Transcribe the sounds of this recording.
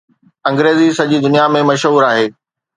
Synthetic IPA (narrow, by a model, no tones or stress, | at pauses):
ɐ̃ŋɡɾeːzisɐʄid̪ʊnijamẽmɐʃɦuːɾaːɦeː